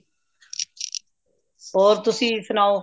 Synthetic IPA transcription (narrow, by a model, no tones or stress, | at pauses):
ɦoːɾt̪ʊsĩːɪsnaːoː